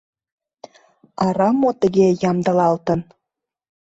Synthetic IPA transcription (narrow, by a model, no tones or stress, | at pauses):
ɑɾɑmot̪əɣejɑmd̪ə̆lɑlt̪ən